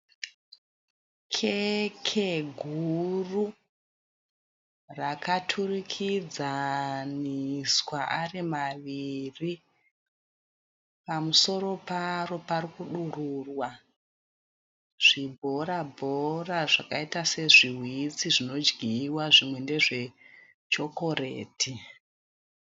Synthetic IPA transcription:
kʰe̞kʰe̞ɡʱuru | rakatʰurikʰid͡zaniswaʔarimaʋiri | pamuso̞ɾo̞paro̞parikuɗururwa | ʐ̥ibʱo̞ɾabʱo̞raʐakaitase̞ʐiɦwit͡siʐino̞d͡ʒɡʱiwaʐimwe̞nde̞ʐe̞ | t͡ʃo̞ko̞rḛːtʰi

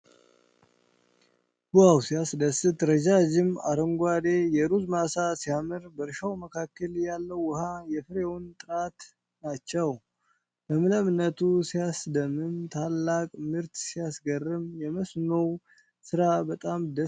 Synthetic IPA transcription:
ɡ̥ujawsijasd̪əsɨt̪ɾəd͡ʒad͡ʒɪmaɾɨŋɡʷad̪e̞jɛɾuzmasasijamɨɾbəɾʃawməkʰakːəljalːəwːəhajɛfɨɾewʊnt̪ʼɨɾat̪ | nat͡ʃːɛw | bəmɨləmɨnːət̪ʰusijasd̪əmɨnt̪ʰalːakʼmɨɾt̪sijasɡərːɨmjɛməsnow | sɨɾabət̪ʼamd̪ə

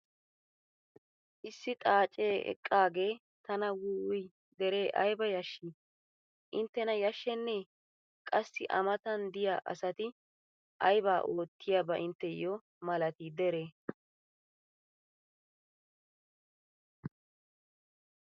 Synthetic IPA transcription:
ʔɪsːɪt̪ʼaːt͡ʃʼe̞ːʔɛ̰kʼːaːɡeː | t̪ɐnɐwuːʊj | d̪ɛɾe̞ːʔɐjbɐjɐʃːi | ʔɪnt̪ːɛnɐjɐʃːɛnːe | kʼɐsːɪʔɐ̰mɐt̪ɐnd̪ɪjaːʔɐ̰sɐt̪ɪ | ʔɐjbaːʔo̞ːt̪ʰːɪjabɐʔɪnt̪ːɛjɔ | mɐlɐt̪iːd̪ɛɾeː

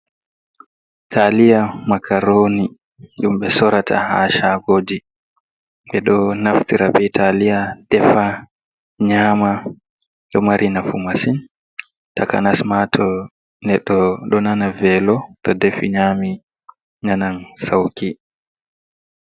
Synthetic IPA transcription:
tʰalijamakʰaɾoːni | ɗumɓɛsɔɾatʰa̰ha̰ʃakoːdi | ɓɛɗɔnaftiɾabɛtʰalijadɛfa | ɲaːma | ɗɔmaɾʔinafumasin | taka̰nasmatʰɔ | nɛɗːɔɗɔnanavɛlɔtɔdefiɲami | ɲanansawki

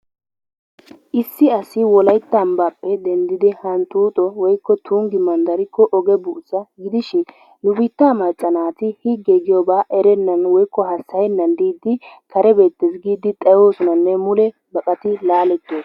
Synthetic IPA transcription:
ʔɪsːɪɐsɪwɔlɐjt̪ːɐmbapːɛd̪ɛnd̪ɪd̪ɪhɐnt̪uːt̪ʼɔwɔjkːɔt̪ʰuːŋɡɪmɐnd̪ɐɾɪkːɔʔɔɡɛbʊʔt͡sːɐɡɪd̪ɪʃɪn | nʊbɪt̪ːaːmɐt͡sʼːɐnaːt̪ɪhiɡːeɡɪjɔbaːʔɛɾɛnːɐnwɔjkːɔhɐsːɐjɛnːɐnd̪iːd̪ɪkʰɐɾɛbe̞ːt̪ːesɡiːd̪ɪt̪ʼɐjo̞ːsɔnɐnːɛmʊlɛ | bɐkʼɐt̪ɪlaːlɛt̪ːeːs

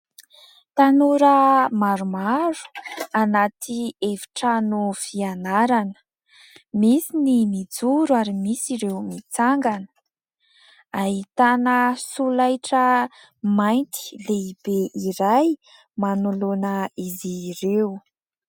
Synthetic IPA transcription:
t̪anuɾəmaɾumaɾu̥anat̪ʰievi̥ʈ͡ʂanufianaɾanə̥ | misinimid͡zuɾuaɾimisiɾewmit͡saŋɡanə̥ | aɦit̪anəsulajʈ͡ʂə | majnt̪i̥leib̥eʔiɾaj | manulonəizirewu

